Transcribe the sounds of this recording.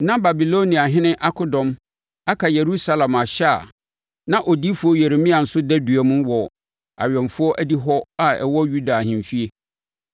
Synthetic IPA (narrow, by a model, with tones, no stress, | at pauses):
nã˦ba˨bi˨lo˦nĩ˨a˨ɦɪ̃˦nɪ̃˦ʔa˦kʰʊ˦dɔ̃˨m | a˦kʰa˨je˨ɾu˦sa˦lã˨ma˨ɕa˦a̰˨ | nã˦ʔɔ˨di˦fʊ˦ɔ˦jɛ˨ɾe˨mĩ˦a˨n̩˨sʊ˦dɛ˦du˨æ˨mũ˦wɔ˨ | a̰˨ɥᶣɛ̃˨mfʊ˦ɔ˦ʔæ˦di˦ɦɔ˦a˨ɛ̰˨wɔ˦ju˦da˨hɪ̃˨m˨fi˦e˦